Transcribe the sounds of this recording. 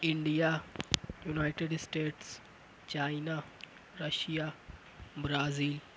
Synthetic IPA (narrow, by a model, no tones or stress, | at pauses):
ɪɳɖijaːjunaːɪʈeɖsʈeːʈs | t͡ʃaːɪnaː | ɾəʃijaː | bɾaːziːl